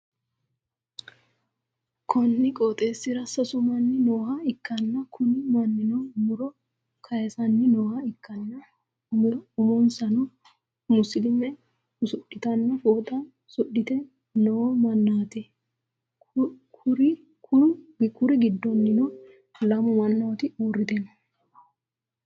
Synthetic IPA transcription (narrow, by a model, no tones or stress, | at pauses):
kʰɔnːɪkʼot̪ʼe̞ːsːɪɾɐsɐsʊmɐnːɪnoːhɐɪkːɐnːɐkʰʊnɪmɐnːɪnɔmʊɾɔ | kʰɐjɛsɐnːɪnoːhɐɪkːɐnːɐ | ʊmɔnsɐnɔ | mʊsɪlɪmːɛ | ʊsʊɗːɪt̪ɐnːɐfoːt̪ʼɐn | sʊɗːɪt̪ɛ | nɔwmɐnːaːt̪ɛ | kʰʊɾɪ | kʊkʊɾɪɡɪd̪ːɔnːɪnɔ | lɐmʊmɐnːɐt̪ɪuːrːɪt̪ɛnɐ